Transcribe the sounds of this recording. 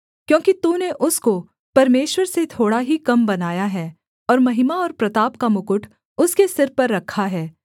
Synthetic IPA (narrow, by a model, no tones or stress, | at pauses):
kjõːkit̪ũːneʔʊsko | pɐɾmeːʃwəɾset̪ʰoːɽaɦikɐmbɐnaːjaɦɛː | ɔːɾmɐɦɪmaɔːɾpɾɐt̪aːpkamʊkʊʈʰ | ʊskesɪɾpɐɾːɐkʰːaɦɛː